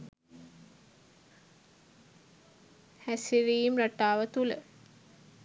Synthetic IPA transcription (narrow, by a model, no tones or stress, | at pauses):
hæsiɾiːimraʈːaːʋət̪ulə